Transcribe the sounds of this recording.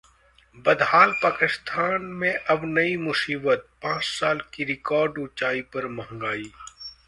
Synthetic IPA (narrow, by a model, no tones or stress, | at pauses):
bɐd̪haːlpaːkɪst̪ʰaːnmẽʔɐbnɐimʊsiːbət̪̚pãːt͡ʃsaːlkiɾɪkɔːɾɖʊt͡ʃaːipɐɾmɐ̃ɦŋɡaːiː